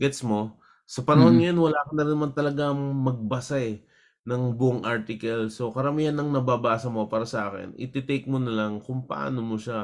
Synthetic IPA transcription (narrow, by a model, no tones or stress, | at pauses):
ɡɛt̪smo̞ | sɐpɐnɐhonŋɐjo̞nwɐlaːkɐnːɐɾɪnːmant̪ɐlɐɡaŋmɐɡ̚bɐsaɛ | nɐŋbʊʔoŋʔaɾt̪ɪkɐlso̞kɐɾɐmiːhɐnːɐŋnɐbaːbaːsɐmo̞paːɾɐsɐʔaːkɛ̰nʔɪ̰t̪ɪt̪ejk̚monɐlɐŋkʊŋpɐ̰ʔa̰ːno̞moʃa